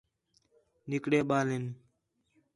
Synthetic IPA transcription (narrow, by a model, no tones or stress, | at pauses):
nɪkɽeːɓaːlɦɪn